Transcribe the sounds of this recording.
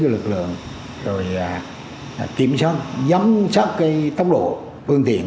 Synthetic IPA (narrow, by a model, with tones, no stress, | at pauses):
lɨ˨˩k̚lɨ̰˧˨əŋ | zo˨˩ja˨˩˨ | ki˧˩əmsɔː˦˥t̚za˨˦msa˦˥t̚kaː˨˦jt̪ə˦˥wk͡p̚ɗo̰˧˨ | fɨ˧əŋt̪ḭ˧˨ən